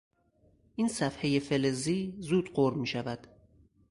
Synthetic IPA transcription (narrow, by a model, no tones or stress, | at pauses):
ʔiːnsæfheje̞fe̞leziːzuːd̪̥ɢoɾmiːʃævæd̪̥